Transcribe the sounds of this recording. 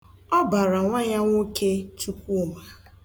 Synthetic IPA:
ɔ˦ba˨ɾa˨ŋʷa˦ɲa˦ŋʷo˦kʰe˦t͡ʃu˦kʷu˦ma˦

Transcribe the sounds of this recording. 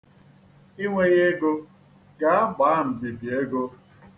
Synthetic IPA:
i˦ŋʷe˦ɣe˦ɡo˦ | ɡa˨a˦ɡ͡ba˨˦m̩˨bi˨bi˨e˦ɡo˦

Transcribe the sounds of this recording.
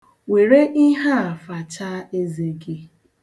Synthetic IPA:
we˨ɾe˦ʔi˦ɦa˦a˨fa˨t͡ʃa˦e˦ze˨ɡɪ˦

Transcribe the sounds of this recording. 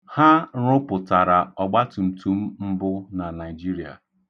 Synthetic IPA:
ha˦ɾʊ˦pʊ˨ta˨ɾa˨ɔ˨ɡ͡ba˦tʊ˨m̩˨tu˨˦m̩˦m̩˦bʊ˦na˨na˨i˨d͡ʒi˦ɾi˨a̰˨

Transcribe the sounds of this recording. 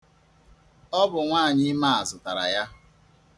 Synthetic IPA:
ɔ˦bʊ˨ŋʷaː˦˨ɲɪ˦ma˦a˨zʊ˨ta˨ɾa̰˨ja˦

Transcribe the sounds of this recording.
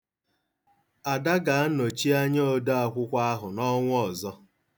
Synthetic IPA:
a˨da˦ɡa˨a˦no˨t͡ʃi˦a˦ɲ˦o˦do˦a˦kʷʊ˦kʷa˦a˦ɦʊ˨nɔ˦ŋʷ˦ɔ˨zɔ˦

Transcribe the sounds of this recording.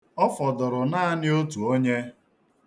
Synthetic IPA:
ɔ˦fɔ˨dʊ˨ɾʊ˨na˦a˦nɪ˦o˦tu˨o˦ɲe˦

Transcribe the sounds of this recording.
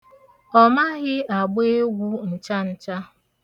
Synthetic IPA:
ɔ˦ma˦ɣɪ˦a˨ɡ͡be˦ɡʷu˦n̩˨t͡ʃa˦n̩˨t͡ʃa˦

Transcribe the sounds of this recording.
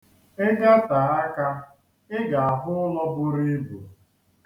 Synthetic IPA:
ɪ˦ɡa˦ta˨a˦ka˦ | ɪ˦ɡa˨a˨ɦʊ˦ʊ˦lɔ˦bʊ˦ɾi˦bu˨

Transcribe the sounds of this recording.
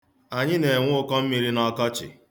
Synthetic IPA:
a˨ɲɪ˦ne˨ŋʷʊ˦ʊ˦kɔ˦m̩˦mi˦ɾi˦nɔ˦kɔ˦t͡ʃɪ̰˨

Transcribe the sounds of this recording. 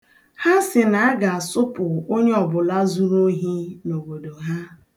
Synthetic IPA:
ha˦sɪ˨na˨a˦ɡa˨a˨sʊ˦pʊ˨o˦ɲe˦ɔ˨bʊ˨la˦zu˦ɾo˦ɦi˦no˨ɡo˨do˨ɦa˦

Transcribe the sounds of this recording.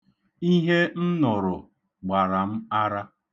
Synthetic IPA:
i˦ɦe˦n̩˦nɔ˨ɾʊ˨ | ɡ͡ba˨ɾa˨m̩˦a˦ɾa˦

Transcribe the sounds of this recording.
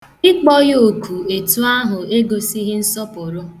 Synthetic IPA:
ɪ˦k͡pɔ˦jo˨kʰu˨e˨tu˦a˦ɦʊ˨e˦ɡo˨si˦ɦɪ˦n̩˦sɔ˦pʊ˨ɾʊ˦

